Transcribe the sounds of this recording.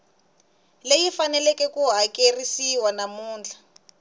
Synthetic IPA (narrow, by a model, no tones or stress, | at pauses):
lejifanɛlɛkɛkuɦakerisiwanamuːnd͡ɮʱa